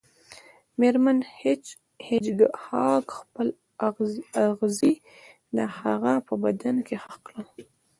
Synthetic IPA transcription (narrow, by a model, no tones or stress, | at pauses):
meɾmanhet͡ʃ | hed͡ʒɡəhɑkxpəl | aɣaɣzi | d̪əhaɣapəbad̪ankehaqlə